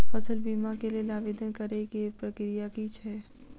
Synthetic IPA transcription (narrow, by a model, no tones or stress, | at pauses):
pəsəlbimakelielaːʋed̪ənkəɾekepɾəkɾijakit͡ʃʰɛ